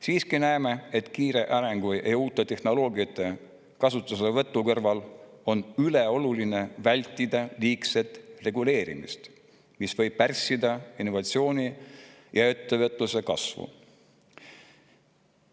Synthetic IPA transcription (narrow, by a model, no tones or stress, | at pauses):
siːskinæeme̞et̪kiːɾe̞ʔɑɾe̞ŋɡ̥ujʔejuːt̪ːˑe̞t̪e̞hno̞lo̞ːɡiɑt̪ːˑe̞ | kɑsut̪ːˑusevɤ̞t̪ˑːukɤrvɑlo̞nyle̞o̞luline̞vælʲt̪ˑːid̪̥ɑliːkse̞t̪re̞ɡule̞ːɾḭmḭst̪ | misvɤ̞jb̥̚pærsːid̪ɑinːo̞vɑt̪sio̞ːni | jɑet̪ːe̞vət̪ːˑluse̞kɑsvṵ